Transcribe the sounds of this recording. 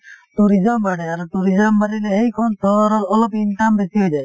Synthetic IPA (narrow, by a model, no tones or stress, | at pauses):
tuɾizɔmbaɽeaɾʈuɾizɔmbaɽileɦejkʰɔnsʰɔɾɔɾɔlɔpinʈambesiɦojd͡ʒaj